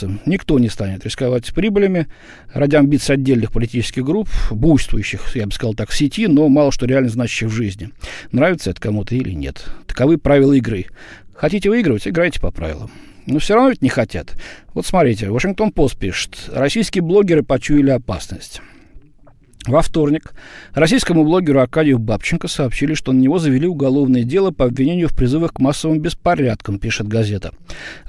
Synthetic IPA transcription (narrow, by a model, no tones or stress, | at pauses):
ənʲɪkt̪o̞nʲɪst̪anʲɪt̪ɾʲɪskavatʲpɾʲibəlʲɪmʲɪ | radʲɪɐmbʲit̪sɨɐdʲːelʲnɨxpəlʲɪtʲit͡ɕɪ̥skʲɪɣɡɾupbujst̪vʊjʉɕːɪxjabɨskɐzɑlˠt̪akfsʲɪtʲino̞mɑlˠəʂt̪oɾʲɪalʲnəznat͡ɕɪ̥ɕːɪxvʐɨzʲnʲɪnɾavʲɪt̪səɛt̪ə̥kɐmut̪əilʲɪ̰nʲḛt̪ːə̥kɐvɨpɾavʲɪlˠəɪɡɾɨxɐtʲitʲɪvɨiɡɾəvətʲɪɡɾajtʲɪ̥pɐpɾa̰vʲɪlˠə̰m | nofsʲoɾɐvnovʲɪtʲnʲɪxɐtʲa̰t̪vo̞t̪smɐt̪ɾʲitʲɪvəʂɨnŋk̚t̪o̞npo̞st̪̚pʲiʂɨ̥t̪ɾɐsʲijskʲɪjəblˠo̞ɡʲɪɾɨpɐt͡ɕuɪlʲɪɐpa̰snəsʲtʲ | vɐft̪o̞rnʲɪkrɐsʲijskəmʊblˠo̞ɡʲɪɾʊɐkadʲɪjʊbapt͡ɕɪnkəsɐːpɕilʲɪʂt̪o̞nənʲɪvo̞zəvʲɪlʲiʊɡɐlˠo̞vnəjədʲe̞lˠəpəɐbʲvʲɪnʲenʲɪjʊfpɾʲɪzɨvəxkmasːəvɨmbʲɪspɐɾʲat̪kəmpʲiʂɨt̪̚ɡɐzʲe̞t̪ə